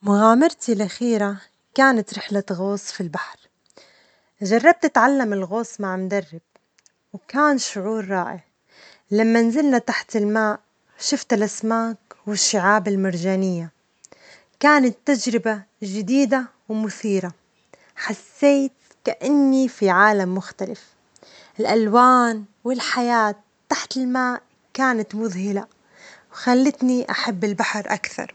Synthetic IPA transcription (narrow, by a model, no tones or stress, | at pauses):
mʊɣaːmɪɾt̪ilʔaxiːɾa | kaːnat̪ɾɪħlaɣoːsˤfilbaħɾˤ | ʒɑrˤːɑb̚t̪ɪt̪ʕalːamɪlɣoːsˤmaʕmʊd̪ɑrˤːɪb̥̚ | wkaːnʃʊʕuːɾˤːɑːʔɪʕ | lamːanzɪlnat̪aħt̪ɪlmaːʔ | ʃʊft̪ɪlʔasmaːkwɪʃːɪʕaːbɪlmaɾˤʒaːnɪjːa | kaːnat̪ːad͡ʒɾɪba | ʒɪd̪iːd̪a | wmʊθiːɾa | ħasːeːt̪̚ | kaʔɪnːifiʕaːlamːʊxt̪alɪf | ɪlʔalwaːnwɪlħajaːt̪ːaħt̪ɪlmaːʔ | kaːnat̪mʊðhɪla | wxalːɪt̪niʔaħabːɪlbaħɑɾˤʔa̰kθɑ̰ɾˤ